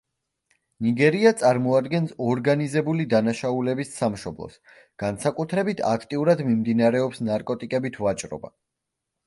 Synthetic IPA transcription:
niɡɛɾiat̪sʼaɾmɔad̪ɡɛnsɔɾɡanizɛbulid̪anaʃaulɛbisːamʃɔblˠɔ̰s | ɡ̥ansakʼut̪ʰɾɛbit̪ʰa̰kʰt̪ʼiuɾad̪mimd̪inaɾɛɔpsnaɾkʼɔt̪ʼikʼɛbit̪ʰvat͡ʃʼɾɔ̰ba̰

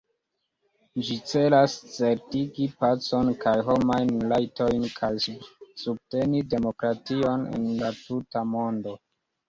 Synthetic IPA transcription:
d͡ʒit͡se̞last͡se̞ɾtiɡipat͡so̞nkajɦo̞majnlajtojnkʰajsub̚te̞nide̞mo̞kɾatio̞nḛnlatutamo̞ndo̞

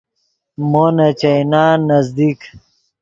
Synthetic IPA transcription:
monɐt͡ɕɐjnaːnɐzd̪ik

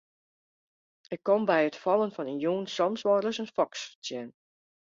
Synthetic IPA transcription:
ɪkːɔmbɛjətfɑlˠənfɔnənjuːnsɔmsʋɔrəsənfɔkstjɛn

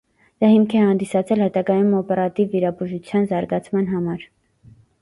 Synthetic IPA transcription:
d̪̥ɑhimkʰɛhɑnd̪isɑt͡sʰɛlhɛt̪ɑɡɑjumɔpɛɾɑt̪ivːiɾɑbuʒut͡sʰjɑnzɑɾɡɑt͡sʰmɑn̪ɦɑmɑɾ

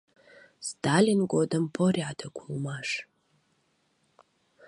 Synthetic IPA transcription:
stʰaːlʲinɡʷodɐmpʰoriʕatʰɐkʷʰumaːʂ

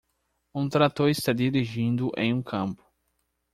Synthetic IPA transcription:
ũt̪ɾat̪oɾɪst̪ad̪iɾiʒĩnd̪ʊʔḛ̃j̃ũkʰɐ̃mpʊ̥

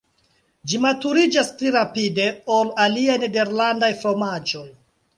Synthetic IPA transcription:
d͡ʒimatuɾid͡ʒaspliɾapide̞olaliajne̞de̞ɾlandajfɾo̞mad͡ʒo̞j

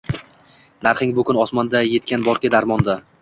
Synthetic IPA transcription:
naɾχɪŋbʊkʰʲʊnɒsmɒnd̪aje̞t̪̚kʲanbɒɾkʲɪd̪aɾmɒnd̪a

